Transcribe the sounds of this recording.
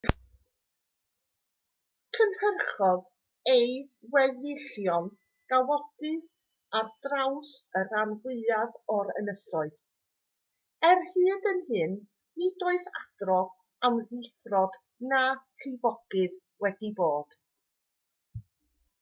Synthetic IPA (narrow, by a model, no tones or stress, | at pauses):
kʰənhərχɔð | ejdwɛðɪɬjɔn | ɡ̥awɔɡ̥ɨð | ardrawsəɾanvwɪaðɔɾə̰nəsɔɨð | ɛrhɨːdənhɨnː | idoːɨθa̰d̥rɔð | amðɪθrɔd̥ | naɬɪvɔɡ̥ɨð | wɛdiboːd̥